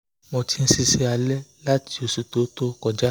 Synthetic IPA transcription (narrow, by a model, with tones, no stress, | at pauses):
mõ˧ti˧n̩˦si˦se˦a˧lɛ˦la˦ti˦o˨su˧to˦to˦kɔ˧d͡ʒa˦